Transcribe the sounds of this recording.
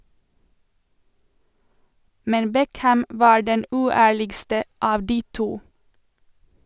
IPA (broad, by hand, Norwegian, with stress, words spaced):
ˈmɛn ˈbɛkhæm ˈʋɑː ˈɖɛn ˈʉːˌæːɭɪɡstə ˈɑːʋ ˈdiː ˈtuː